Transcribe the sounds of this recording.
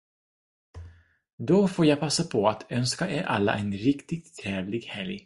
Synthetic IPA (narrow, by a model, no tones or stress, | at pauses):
d̪ɔfoːɾjaːpʰasːapʰɔat̪ʰœnskaʔeːɾʔa̰lːa̰ʔɛnɾɪkt̪ɪɡ̚t̪ʰːɾɛːvlɪɡhɛlj